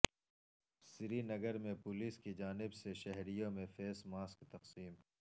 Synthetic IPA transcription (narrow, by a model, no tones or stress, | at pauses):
sɪɾinɐɡəɾmẽpʊliːskid͡ʒaːnɪbseʃɛɦɾijõmẽfeːsmaːskt̪ɐqsiːm